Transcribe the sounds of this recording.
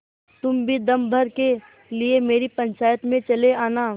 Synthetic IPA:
t̪ʊmbʱid̪ɐmbʱɐɾke | liemeːɾipɐ̃nt͡ʃaːjət̪mẽt͡ʃɐleaːnaː

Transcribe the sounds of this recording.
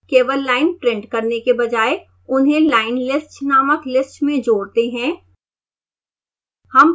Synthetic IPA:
keːʋəlːaːɪnpɾẽːɳʈkɐɾnekebɐd͡ʒaːe | ʊnɦẽlaːɪnlɪsʈnaːməklɪsʈmẽd͡ʒoːɽt̪eɦɛ̃ː | hɐm

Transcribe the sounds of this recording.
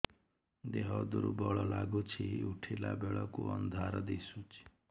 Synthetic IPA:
d̪eɦɔd̪uɾubɔɭɔlaɡut͡ʃʰiuʈʰilabeɭɔkuɔnd̪ʱaɾɔd̪isut͡ʃʰi̥

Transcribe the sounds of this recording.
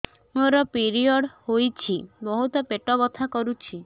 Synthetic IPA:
moɾɔpiɾiɔɽhojt͡ʃʰibɔɦut̪ɔpeʈɔβɔt̪ʰakɔɾut͡ʃʰi

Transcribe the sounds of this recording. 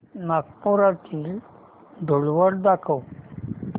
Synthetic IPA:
nak̚puɾat̪iːl | d̪ʱoɭʋəɽd̪akʰəw

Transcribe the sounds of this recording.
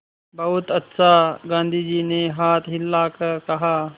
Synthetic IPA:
bɐɦʊt̪ɐt̪sʰaɡãːnd̪ʱiːd͡ʒiːneɦaːt̪ʰɦɪlːakɐkɐɦaː

